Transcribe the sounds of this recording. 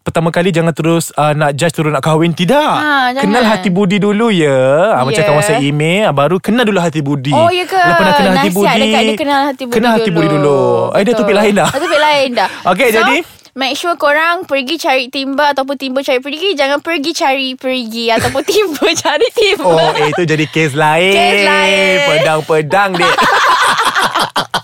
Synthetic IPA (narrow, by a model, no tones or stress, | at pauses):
pərt̪amãkalid͡ʒaŋant̪əɾʊsənaʔd͡ʒast̪əɾʊsnaʔkawɪnt̪idaʔad͡ʒkənalɦat̪ibudidulujəamat͡ʃak̪awasaimebaɾukənalduluɦat̪ibudiojəkaapənakənalɦaibuadiəaakənalhat̪ibkənalhat̪ibudiduluadat̪upɪʔlaɪnlahat̪upɪʔlaɪndahʔok̬ed͡ʒadi | mɛk̚ʃukoɾaŋpərɡit͡ʃaɾiʔt̪imbəat̪awp̬ʊnt̪imbət͡ʃaɾiʔpəɾɡid͡ʒaŋãnpəɾɡit͡ʃaɾipəɾɡiat̪awpʊnt̪imbət͡ʃaɾiʔt̪imoet̪ud͡ʒadikes̬laɪ | pədaŋpədaŋdi